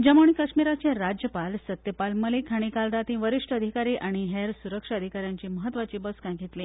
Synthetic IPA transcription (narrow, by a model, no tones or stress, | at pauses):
d͡ʑəmoɳ̃iːkəʂmiɾat͡ɕeɾad͡ʑjəpalsət̪jəpalməlikʰaɽ̃ikald̪at̪ĩʋəɾiʂʈəəd̪ʱikaɾiːʔaɽ̃iɦeɾsuɾəkʂaəd̪ʱikaɾjãɲt͡ɕiːməɦət̪ːʋat͡ɕiːbəskãɡʱit̪li